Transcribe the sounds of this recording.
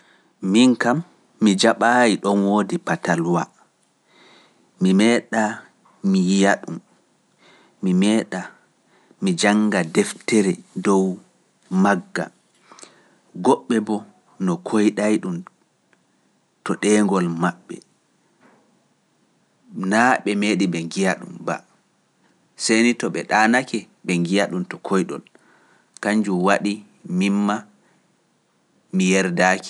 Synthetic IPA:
miŋkamː | id͡ʒaɓajiɗɔnwoːdipatalwa | mimɛːɗa | mijaɗum | imɛːɗa | mid͡ʒaŋɡadɛftɛɾɛdɔw | maɡːa̰ | ɡɔɓːɛbɔ | nɔkʰojɗajɗum | tɔɗɛŋɡɔlmaɓːɛ̰ | naɓɛmeːɗibɛŋɡijaɗṵmba̰ | senitɔɓɛɗaːnakɛ | bɛŋɡijaɗumtɔkʰojɗɔ̰l | kaɲd͡ʒuwaɗi | mimːa | mijɛɾdaːki̥

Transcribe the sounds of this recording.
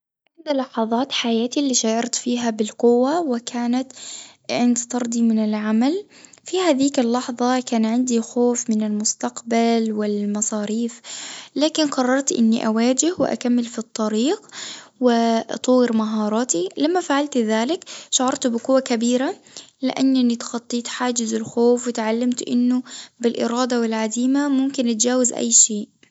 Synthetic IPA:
ʕɪnd̪alɑħɑðˤɑːt̪ħajaːt̪ilːiːʃaːʔɑɾˤt̪fiːɦabɪlqʊwːawɪkʰaːnat̪ʕɪnd̪t̪ɑɾˤd̪ˤimɪnɪlʕamal | fihaːðiːkɪlːɑħðˤɑkaːnʕɪnd̪ixoːfmɪnɪlmʊst̪aqbalwɪlmɑsˤɑːɾiːflaːkɪnqɑrˤːɑɾˤt̪ʔɪ̰nːiʔawaːd͡ʒɪhwɪ̰ʔa̰kamːɪlfit̪ˤːɑɾiːqwɪt̪ˤuːɪɾmaɦɑːɾˤɑːt̪ilamːafaʕalt̪ðaːlɪkʃʊʕɑɾˤt̪bɪqʊwːakabiːɾa | lɪ̰ʔanːanit̪xɑt̪ˤːiːt̪ħaːd͡ʒɪzɪlxoːfwɪt̪ʕalːamt̪ʔɪ̰nːʊbɪlʔɪ̰ɾɑːd̪awɪlʕad̪iːmamʊmkɪnʔat̪d͡ʒaːwazʔa̰jːʃeːʔ

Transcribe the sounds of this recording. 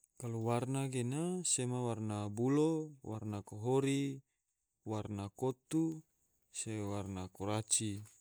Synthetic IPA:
kaluwarnaɡenasemawarnabulowa̰rnakoɦoɾi | warnakot̪u | sewarnakoɾat͡ʃi

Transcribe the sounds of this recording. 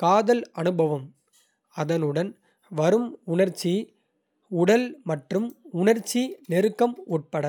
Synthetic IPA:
kaːðɐlɐnɯbʱɐʋɐm | ɐðɐnɯɽɐn | ʋɐɾɯmʊɳɐɾt͡ʃːi | ʊɽɐlmɐʈrɯmʊɳɐɾt͡ʃːinɛɾɯkːɐmuːʈ̚pɐɽɐ

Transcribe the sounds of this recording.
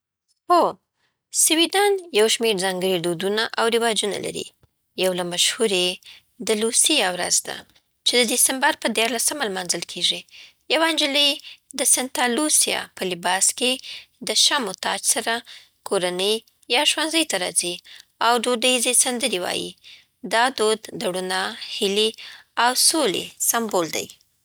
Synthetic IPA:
ho | sɪwid̪ɑnjawʃmeɾzɑŋɡəɽid̪od̪unaʔawɾɪwɑd͡ʒuna̰la̰ɾḭ | jawlamaʃhuɾe | d̪əlusijawɾa̰zd̪a̰ | t͡ʃed̪əd̪isambaɾpəd̪jɑɾlasəmalmɑnzəlkʰeʐi | jawand͡ʒələjd̪əsant̪ɑlusijɑ̰pəlɪbɑsked̪əʃɑmʊt̪ɑd͡ʒsaɾa | koɾanəj | jɑʒwanzəjt̪aɾɑ̰ziawɖoɖajizesand̪əɾewɑ̰jḭ | d̪ɑd̪od̪d̪aɽunahɪliawsolḛsambold̪a̰j

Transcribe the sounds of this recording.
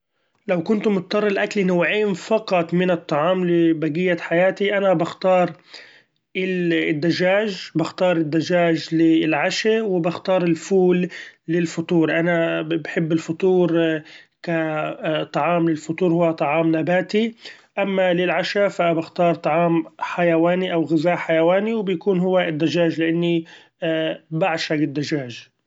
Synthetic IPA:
lawkʊnt̪ʊmʊt̪̚t̪ːˤɑrˤːɪlʔaklinawːʕiːnfɑqɑt̪ˤmɪnɨt̪ˤːɑʕɑːmlɪbaɡɪjːaħajaːt̪iʔanabaxt̪ɑːɾˤ | ɪld̪ːaʒaːʒbɪxt̪ɑːɾˤɪd̪ːaʒaːʒlɪlʕaʃawɪbɪxt̪ɑːɾˤɪlfuːlːɪlfʊt̪ˤuːɾʔanabħɪbːɪlfʊt̪ˤuːɾ | kat̪ˤɑʕɑːmlɪlfʊt̪ˤuːɾhʊwːat̪ˤɑʕɑːmnabaːt̪i | ʔamːalɪlʕaʃafabɪxt̪ɑːɾˤt̪ˤɑʕɑːmħajawaːniʔawɣɪzaːʔħajawaːniwbjakuːnɦʊwːaɪd̪ːaʒaːʒlɪʔanːi | baʕʃaɡɪd̪ːaʒaːʒ

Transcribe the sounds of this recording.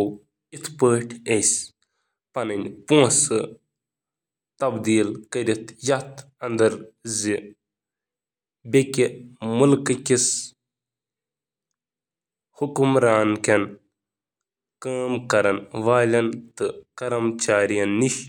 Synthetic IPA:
w | it̪ʰpəːʈʰejs | pɐnɐnʲpõːsɨ | t̪ɐbd̪iːlkɐɾit̪ʰjɐt̪ʰ | ɐnd̪ɐɾzi | bʲekʲimulkɨkʲis | hukumɾaːnkʲɐn | kaːmkɐɾɐnʋaːlʲɐnt̪ɨkɐɾɐmt͡ʃaːɾijɐnːiʃ

